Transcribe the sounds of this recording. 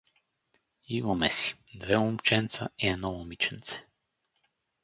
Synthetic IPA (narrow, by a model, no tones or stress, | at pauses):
ivɔmɛsi̥d̪vɛumpt͡ʃɛnt̪saiɛnɔɔmit͡ʃɛnt̪sɛ̥